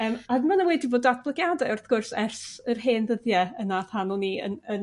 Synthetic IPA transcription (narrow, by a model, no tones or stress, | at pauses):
əːmaðmanawɛdiboːdatblˠɪɡjadɛʊrθɡ̥ʊrsɛrsərɦeːnðəðjɛənaθhanɔniə̰nən